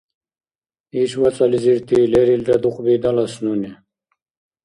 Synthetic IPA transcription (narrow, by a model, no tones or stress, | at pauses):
iɕwɐt͡sɐliziɾt̪ʰileɾilɖɐd̪uqbid̪ɐlɐsnuni